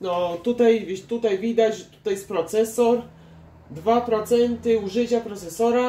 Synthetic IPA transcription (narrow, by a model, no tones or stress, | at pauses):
nɔt̪ut̪ajvʲt̪ut̪ajvʲid̪at͡ɕʐɛt̪u̥t̪ajɛst̪pɾɔt̪sɛsɔɾ | d̪vapɾɔt̪sɛnt̪ɘuʐɘt͡ɕapɾɔt̪sɛsɔɾa